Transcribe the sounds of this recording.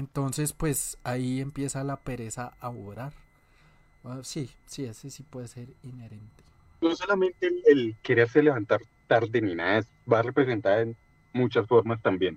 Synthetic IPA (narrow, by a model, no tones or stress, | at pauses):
ent̪o̞nse̞spwe̞saiempje̞salape̞ɾe̞saaoβɾaɾ | osi | siesesipweðese̞ɾineɾe̞nt̪e̥ | noso̞lamẽ̞nt̪elelke̞ɾe̞ɾse̞le̞βant̪aɾ | t̪aɾd̪eninaes | bare̞pɾe̞s̬e̞nt̪aɾen | mut͡ʃasfo̞ɾmast̪ambje̞n